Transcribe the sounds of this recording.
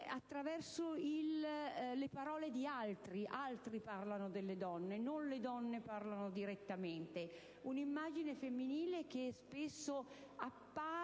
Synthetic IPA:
at̪ːɾavɛrsoilː | epaɾɔːled̪ialt̪ɾiʔalt̪ɾiparlanod̪elːed̪ɔnːenonled̪ɔnːeparlanod̪iɾet̪ːament̪e | unimːaːd͡ʒinefemːiniːlek̟espesːoapːaː

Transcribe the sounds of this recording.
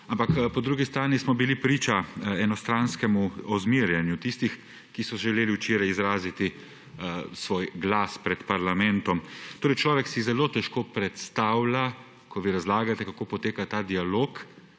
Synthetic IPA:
ampakpɔd̪ɾuɡist̪ɾaːnismɔbilipɾiːt͡ʃaɛnɔst̪ɾanskɛmuɔzmiːɾjɛnjut̪ist̪ix | kisɔʒɛleːliwt͡ʃeːɾajizɾaːzit̪i | sʋoːjɡlaspɾɛt̪paɾlamɛnt̪ɔmt̪oːɾɛjt͡ʃlɔːʋɛksizɛloːt̪ɛʃkoːpɾɛt̪st̪awla | kɔʋiɾazlaːɡat̪ɛkakoːpɔt̪eːkat̪aːd̪ialoːk

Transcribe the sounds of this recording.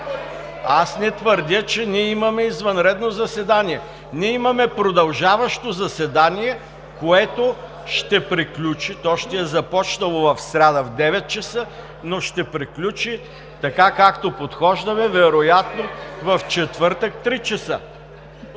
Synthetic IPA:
asnɛt̪vəɾd̪ʲət͡ʃɛniɛimɐmɛizvɐnɾɛd̪nozɐsɛd̪aniɛ | nʲiɛimɐmɛpɾod̪ɐlˠʒavɐʃt̪ozɐsɛd̪aniɛ | koɛt̪o | ʃt̪ɛpɾiklʲut͡ʃit̪ɔʃt̪ɛɛzɐpɔt͡ʃnɐlˠovɐfsɾʲad̪əvd̪ɛvɛt̪̚t͡ʃɐsə | noʃt̪ɛpɾiklʲut͡ʃi | t̪ɐkakakt̪opot̪xɔʒd̪ɐmɛvɛɾojat̪novɐft͡ʃɛt̪vəɾt̪ək̚t̪ɾit͡ʃɛsə

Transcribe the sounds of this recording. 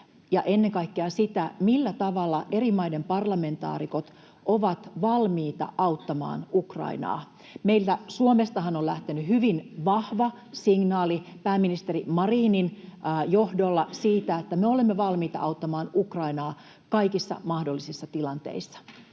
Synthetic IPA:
jɑʔenːeŋkɑikːeɑsit̪æmilːæt̪ɑʋɑlːɑʔeɾimɑjde̞mpɑrlɑme̞nt̪ɑ̰ːɾiko̞t̪ | ʔoʋɑt̪ʋɑlmiːt̪ɑ̰ʔɑwt̪ːɑmɑ̰ːnukrɑ̰inɑ̰ː | meilt̪æsuomest̪ɑɦɑnolæht̪enyhyʋinʋɑhʋɑ | siŋnɑːlipæːmːinist̪erimɑriːninjohdolːɑsiːt̪æet̪ːæmeo̞lemːeʋɑlmiːt̪ɑ̰ʔɑut̪ːɑmɑːnukrɑinɑː | kɑikisːɑ̰mɑhdo̞lːisisːɑt̪ilɑnt̪e̞̰isːɑ̥

